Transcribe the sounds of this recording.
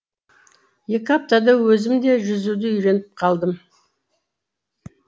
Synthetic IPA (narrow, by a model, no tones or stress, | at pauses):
je̞kʲɪap̚t̪ad̪awɵzɪmd̪e̞ʒʏzud̪ɪʏjɾe̞nɪp̚qʰɑlˠd̪əm